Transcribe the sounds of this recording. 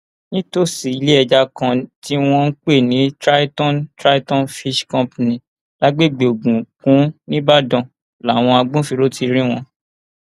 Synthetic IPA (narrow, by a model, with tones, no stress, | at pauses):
nĩ˦to˦˨si˨i˨˦le˦ɛ˧d͡ʒa˧kã˧ti˦w̃ɔ̃˦n̩˦k͡pe˦˨nĩ˨˦tɾa˦i˦tɔ̃˦ntɾa˦i˦tɔ̃˦nfi˦ʃkɔ̃˦pnĩ˨ | la˨˦ɡ͡be˦˨ɡ͡be˨o˨ɡ͡bũ˨kũ˨˦nĩ˦ba˦dɔ̃˨ | la˨˦˨w̃ɔ̃˧a˧ɡ͡bũ˦fi˧ɾo˦tʰi˧ɾ̃ĩ˦w̃ɔ̃˧